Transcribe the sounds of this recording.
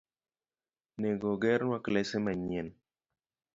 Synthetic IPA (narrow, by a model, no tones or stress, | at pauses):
nɛɡɔɡɛɾnwaklɛsemaɲɛn